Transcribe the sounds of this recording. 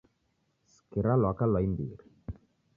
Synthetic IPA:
skiɾalakalajnd̪iɾ

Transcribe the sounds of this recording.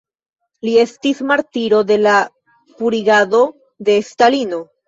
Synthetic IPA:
lie̞stismaɾtiɾo̞d̪e̞la | puɾiɡado̞ | d̪e̞stalino̞

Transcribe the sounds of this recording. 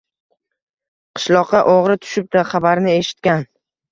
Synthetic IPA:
qʰɨ̥ʃlˠɒqʰːɑʔoʁɾɪt̪ʰʊ̥ʃɪp̚d̪aχabaɾnɪe̞ʃɪ̥t̪̚kʲan

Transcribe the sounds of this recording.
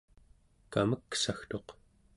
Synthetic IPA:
kaməksaxt̪o̞q

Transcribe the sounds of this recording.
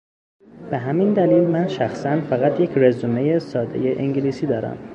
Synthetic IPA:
b̥eɦæmind̪æliːlmænʃæxsænfæɣæt̪ʰje̞cʰrezume̞jesɒːd̪e̞̰jeʔeŋɟiliːsiːd̪ɒːɾæ̰m

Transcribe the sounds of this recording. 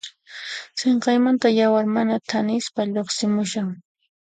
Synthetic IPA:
seɴqɑjmant̪ajawaɾmanat̪ʰanɪspaʎoχsɪmʊʃaŋ

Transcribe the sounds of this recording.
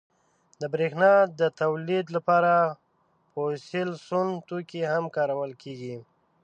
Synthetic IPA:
d̪əbɾexnɑd̪ət̪awlid̪lapɑɾa | poselsunt̪okehamkɑɾawəlkʰeɡi

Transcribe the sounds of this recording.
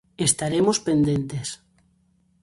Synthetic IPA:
est̪aɾemospend̪ent̪es

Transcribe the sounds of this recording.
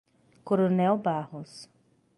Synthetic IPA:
koɾonɛwbahʊs

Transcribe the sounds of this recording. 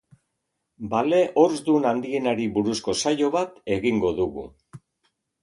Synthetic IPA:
bale̞ʔo̞ɾzd̪unand̪ie̞naɾiβuɾusko̞sajo̞βat̪e̞ɣiŋɡo̞ðuɣṵ

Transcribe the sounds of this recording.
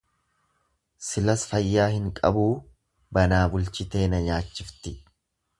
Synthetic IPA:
sɪlɐsfɐjːaːhɪŋkʼɐ̰buː | bɐnaːbʊlt͡ʃɪt̪e̞ːnɐɲaːt͡ʃːɪft̪ɪ

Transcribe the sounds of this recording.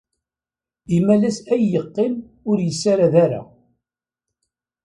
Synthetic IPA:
imælæsæjːəqːɪm | ʊɾjəsːaɾaðaɾa̰

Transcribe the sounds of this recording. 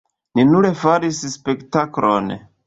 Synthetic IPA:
ninuɾe̞faɾisspe̞ktakɾo̰n

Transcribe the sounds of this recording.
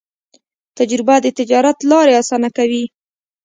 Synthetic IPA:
t̪ad͡ʒɾɪbad̪ət̪ɪd͡ʒɑɾat̪lɑɾeɑsɑnakawi

